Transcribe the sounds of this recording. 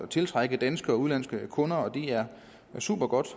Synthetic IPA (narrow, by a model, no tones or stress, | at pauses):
t͡sʰe̝lt͡sʰʁaɡ̥əd̥ænsɡ̥əɒ̽uðˠlæn̰sɡ̥əkʰɔ̽nɐɒ̽d̥iæɐ | sṵb̥ɐɡ̥ɒ̽d̥